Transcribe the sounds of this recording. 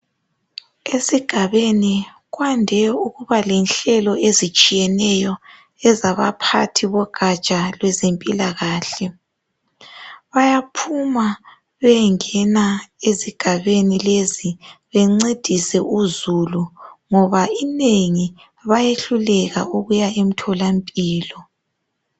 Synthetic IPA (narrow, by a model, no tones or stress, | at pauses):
esiɡ̥ʱaβeni | ɣwandʱɛuɣuβalɛnɬɛlɔezit͡ʃʼijɛnɛjɔ | ɛzaβapʰatʰiβɔɡ̥ʱat͡ʃʼalwɛzempʼilaɣaːɬɛ | βajapʰuma | βɛŋɛnaeziɡ̥ʱaβenileziβɛŋ͡ǀed̥ʱisɛʔuzuluŋɔβaineŋi | βajeɬulɛɣa̰ʔuɣujaem̩tʰɔlampʼiːlɔ